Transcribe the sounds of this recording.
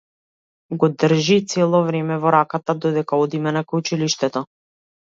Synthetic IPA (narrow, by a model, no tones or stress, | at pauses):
ɡɔd̪r̩ʒit̪sɛlˠɔvɾɛmɛvɔɾakat̪ad̪ɔd̪ɛkaɔd̪imɛnakajut͡ʃiliʃt̪ɛt̪ɔ